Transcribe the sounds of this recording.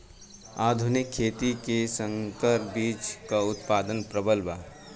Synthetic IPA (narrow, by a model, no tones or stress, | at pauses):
aːd̪ʱʊnɪkʰːeːt̪ikesə̃ŋkəɾbiːt͡ʃkaʊt̪paːd̪ənpɾəbəlbaː